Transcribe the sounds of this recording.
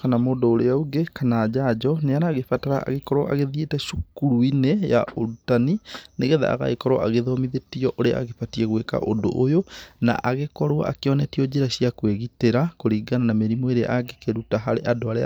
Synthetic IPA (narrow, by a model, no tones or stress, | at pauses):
kanamoːdoːɾeauɡekanaːd͡ʒad͡ʒɔneaɾaːɣefataɾaa̰ɣekɔɾwɔ̰ʔa̰ɣeðietɛʃukuɾuineja̰ʔoɾutanineɣɛða̰a̰ɣa̰ekɔɾwa̰ʔaɣeðɔmiðetiɔʔoɾea̰a̰ɣefatiɛɣweka̰ʔondo̰ʔojona̰ʔaɣekɔɾoa̰ʔakeɔnɛtiɔd͡ʑeɾaɕijakweɣiteɾakoɾiːɡananameɾimɔeɾea̰aɡekeɾutaɦaɾeʔadoaɾḛ